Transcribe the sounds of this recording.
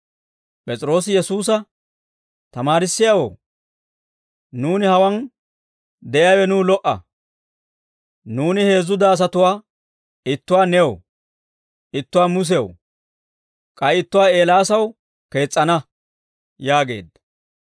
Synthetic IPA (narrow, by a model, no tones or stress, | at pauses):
pʼɛt͡sʼɪɾo̞ːs̬ɪjɛsuːs̬ɐ | t̪ɐmaːɾɪsːɪjawo̰ː | nuːnɪhɐwɐn | d̪ɛʔɪjaːwɛnuːlɔʔɐ̰ | nuːnɪhe̞ːzːʊd̪ɐːs̬ɐt̪ʊwaː | ɪt̪ːʊwaːnɛw | ɪt̪ːʊwaːmʊs̬ɛw | kʼɐjɪt̪ːʊwaːe̞ːlaːsɐw | ke̞ːt͡sʼːɐnɐ | jaːɡe̞̰ːd̪ɐ